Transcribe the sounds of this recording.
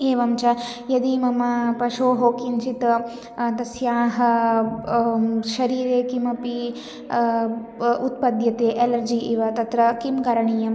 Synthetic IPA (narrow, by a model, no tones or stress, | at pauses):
eːʋɐmt͡ʃɐjɐd̪imɐmɐpɐʃoːɦoːkint͡ʃit̪ɐ | t̪ɐsjaːɦɐ | ʃɐɾiːɾeːkimɐpi | ut̪̚pɐd̪jɐt̪eːʔelɐɾd͡ʒiʔiʋɐt̪ɐt̪ɾɐkimkɐɾɐɳijɐm